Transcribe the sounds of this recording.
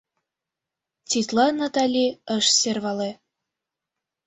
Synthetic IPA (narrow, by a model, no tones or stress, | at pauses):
t͡sit̪lɑnat̪ɑlʲiəʃserβɑle